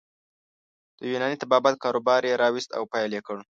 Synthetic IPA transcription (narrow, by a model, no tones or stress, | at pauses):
d̪̥əjunɑnit̪abɑbat̪̚kɑɾobɑɾjeɾɑwɪst̪a̰wpɑjljekəɽ